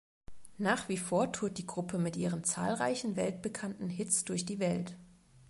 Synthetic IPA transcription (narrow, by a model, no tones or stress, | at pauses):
naːχv̥iːfoːɐtʰuɐt̚d̥iːɡʁʊpʰəmɪtʔiːʁənt͡sa̰ːlʁa̰ɪçn̩vɛltb̥əkʰantn̩ɦɪt͡sd̥ʊɐçd̥iːvɛlt